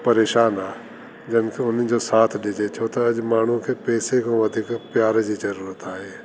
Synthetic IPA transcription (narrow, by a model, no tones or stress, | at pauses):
pɐɾeːʃaːnaː | d͡ʑɐnkʰeʊn̤ɪd͡ʑoːsaːt̪ʰɗɪd͡ʑetʰot̪ɐːʄmaːɳ̤ũkʰeːpɛːsekʰõːʋɐd̪ʱiːkpɪjaːɾd͡ʑiːzɐɾuːɾət̪aːɦeː